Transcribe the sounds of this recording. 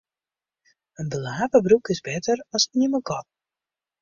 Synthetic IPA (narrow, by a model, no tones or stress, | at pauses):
ənbəlaːpəbrukɪzbɛtərɔsnɪməɡɔt̚